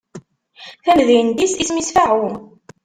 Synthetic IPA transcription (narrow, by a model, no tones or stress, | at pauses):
θæmðiənd̪isismisfaʕʊ